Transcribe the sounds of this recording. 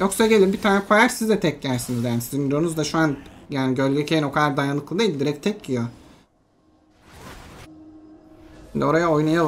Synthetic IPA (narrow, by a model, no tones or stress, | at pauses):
jo̞ksaɟe̞lʲimbit̪ʰaːnɛkʰajaɾsizd̪ɛt̪ʰɛcɟæɾsinizjaːnisizind̪iɾonuzd̪aʃuanjaːniɟøɾlʲicʰejino̞kʰad̪ˠaɾd̪ajanɯklˠɯd̪ajilʲd̪iɾɛc̚t̪ʰɛcːijo | ʃind̪io̞ɾajao̞jnajal